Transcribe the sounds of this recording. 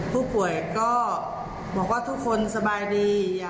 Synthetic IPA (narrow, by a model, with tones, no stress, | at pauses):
pʰuː˥˩pu˨˩˦əjkɔː˥˩ | bɔː˨˩k̚waː˥˩t̪ʰu˦˥kʰːo˧nsa˧baː˧jdiː˧jaː˨˩